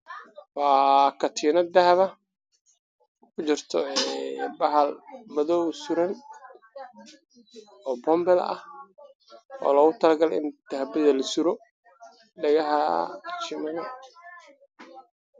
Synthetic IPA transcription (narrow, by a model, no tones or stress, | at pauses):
wɑːkʰɐt̪ʰiːnɐd̪ɐhβɐ | kʰʊt͡ʃɪrt̪ʰɔɛɛbɐɦɐlmɐðɔwsʊɾɐn | ɔːbɔmbɛlɐ̰h | ʔɔ̰ːlɔːɣʊt̪ʰɐlɡɐlɪ̰nd̪̥ɐhbɐðɐlɐsʊɾɔ | ɖɐɣɐɦɐ̰t͡ʃɪmɐnɐ